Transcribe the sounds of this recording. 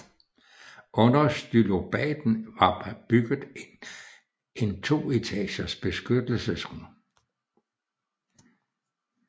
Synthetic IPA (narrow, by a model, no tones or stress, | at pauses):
ʔɔ̽nɐsd̥ylo̝b̥ɛ̰ːd̥n̩ʋɑ̈b̥yɡ̥ð̩ˠen | e̝nt͡sʰo̝̰ːit͡sʰɛ̰ːɕɐsb̥e̝sɡ̥ød̥l̩səsʁu